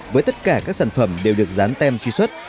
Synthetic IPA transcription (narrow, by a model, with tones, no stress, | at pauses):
vəː˨˦jt̪ə˦˥t̚kaː˧˩kaː˦˥k̚saː˧˩nfə˧˩mɗe˨˩wɗɨ˨˩ək̚zaː˨˦nt̪ɛ˧mt͡ɕwi˧swə˦˥t̚